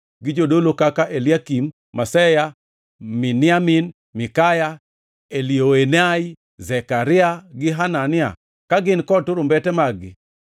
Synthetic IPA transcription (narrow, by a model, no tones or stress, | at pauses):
ɡɪd͡ʒodolokakaʔeliakimː | asɛja | mɪnɪamin | mɪkaja | elioenai | zɛkaɾɪaɡɪɦananɪa̰ | kaɡɪnkɔtʊɾʊmbɛtɛmaɡɪ̰